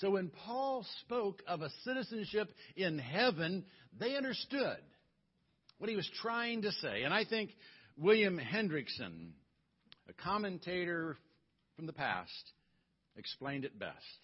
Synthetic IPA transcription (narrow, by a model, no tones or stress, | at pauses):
soʊwɨ̃npʰɔlˠspoʊkʰʌvəsɪɾɨzɨ̃nʃɪpɪ̃nɦɛvɨ̃nðeɪʌ̃ndə˞stʊd̚ | wʌt̚hiwʌz̥tʰɹ̥aɪɪ̃ŋtɨseɪɨ̃naɪθɪ̃ŋkwɪlˠjɨ̃mhɛ̃ndɹɨksɨ̰̃n | ʔɨkʰɑmɨ̃ntʰeɪɾə˞ | fɹʌ̃mðəpʰæ̰st | ɨksplẽɪ̃ndɨt̚b̥ɛ̰st̚